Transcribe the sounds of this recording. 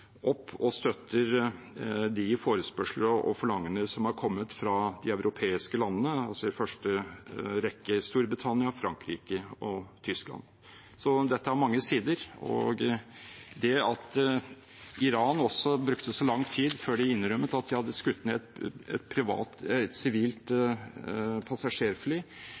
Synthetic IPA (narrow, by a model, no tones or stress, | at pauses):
ʔɔpʰːɔst̪œt̪ʰːəɾ | d̪ɪfoːɾəspœʂləʔɔ̰fɔɭɑŋːəɳəsɔmhɑɾkʰɔmːət̪fɾɑd̪ɪœʉɾʊpʰeːɪskəlɑnːənəɑlsɔd̪ɪfœʂʈəɾɛkːəst̪uːɾbɾɪt̪ʰɑnɪɑfɾɑŋkɾiːkəɔt̪ʰʏsklɑ̰n | sɔd̪ɛt̪ːəhæɾmɑŋːəsiːd̪əɾɔ̰ɡ | d̪ɛɑt̪ | ɪɾɑːnɔsːɔbɾʉkt̪əsɔlɑŋt̪ʰiːd̪føːɖɛɪnɾœmːət̪ɑt̪̚d̪ɪhɑd̪ːəskʉt̪ːnɛt̪ɛ̰t̪̚pʰɾɪʋɑ̰ːt̪ɛt̪sɪʋiːlt̪ | pʰɑsɑʂeːɾflyː